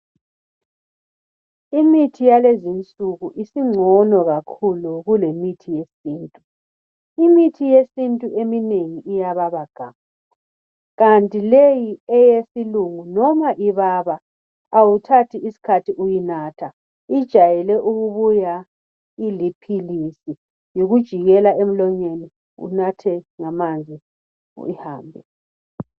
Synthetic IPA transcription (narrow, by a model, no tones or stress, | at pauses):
imitʰijalezint͡sʼuɣuʔisiŋ͡ǀʱɔnɔɣakʰuluɣulemitʰijesiːntʼu | imitʰijesintʼuʔemineŋiijaβaβaɡ̥ʱa̰ma | ɣantʼilejiɛjesiluŋunɔmaʔiβaβaː | wutʰatʰiisi̥kʰatʰiʔujinatʰa | id̥ʒ̥ʱajɛlɛʔuɣuβuja | ilipʰilisi | juɣud̥ʒ̥ʱiɣɛlaʔem̩lɔɲeni | ṵnatʰɛŋamand͡zʱi | iha̰ːmbʱɛ̰